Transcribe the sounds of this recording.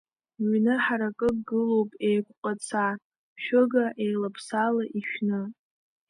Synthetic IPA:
ɥnɨħaɾakʼɨkɡɨlo̞wpʼe̞jkʷʼqʼat͡sʰa | ʃᶣʊɡaʔejlapʰsalaʔiʃᶣnɨ

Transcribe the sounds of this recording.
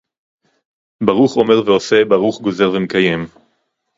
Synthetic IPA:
baʁuχo̞me̞ʁveo̞se̞baʁuχɡo̞ze̞ʁvemekaje̞m

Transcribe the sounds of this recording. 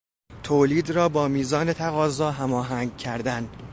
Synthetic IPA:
t̪ʰoːliːd̪rɒːbɒːmiːzɒːne̞t̪ʰæɣɒːzɒːɦæmɒːɦæŋɡ̚cʰæɾd̪æn

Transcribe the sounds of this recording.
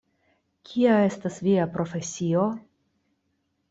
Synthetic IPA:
kʰiae̞stasviapɾo̞fe̞sio̞

